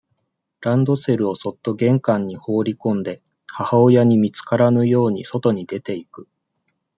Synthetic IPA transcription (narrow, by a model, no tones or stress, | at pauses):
ɾãnd̪o̞se̞ɾɯ̟o̞so̞t̪ːo̞ɡẽ̞ŋkãɲ̟ːiho̞ːɾʲikõ̞nd̪e̞ | hahaojaɲ̟imʲit͡sɨ̥kaɾanɯ̟jo̞ːɲ̟iso̞t̪o̞ɲ̟id̪e̞t̪e̞ikɯ̟̥